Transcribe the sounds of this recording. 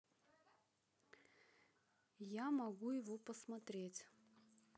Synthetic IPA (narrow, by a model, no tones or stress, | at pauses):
jamɐɡujɪvɔpəsmɐt̪ɾʲet͡sʲ